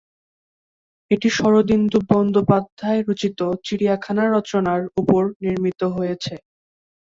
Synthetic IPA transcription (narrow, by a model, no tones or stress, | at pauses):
eʈiʃɔɾod̪ind̪uːɔnd̪opad̪ʱːaeɾot͡ɕit̪ot͡ɕiɽijakʰanaɾɔt͡ɕonaɾupoɾniɾmit̪oɦojet͡ɕʰe